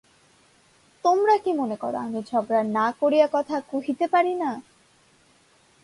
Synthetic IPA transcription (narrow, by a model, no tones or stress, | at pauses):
t̪omɾakimonekɔɾo̰amid͡ʑʰʱɔɡɾanakoɾijakɔt̪ʰakuɦit̪epaɾina